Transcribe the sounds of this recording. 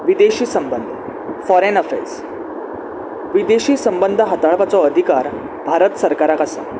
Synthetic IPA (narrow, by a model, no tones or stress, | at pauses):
ʋid̪eɕiːsəmbənd̪ʱ | fɔɾenəfḛɾs | ʋid̪eɕiːsəmbənd̪ʱəɦat̪aɭpat͡sɔəd̪ʱikaɾ | bʱaɾət̪səɾkaɾakasa̰